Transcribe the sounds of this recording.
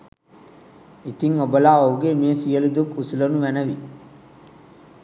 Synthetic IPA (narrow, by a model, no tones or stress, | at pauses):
it̪iŋobɐlaːouɡemijesijɐlid̪ukusilɐnuʋænɐʋi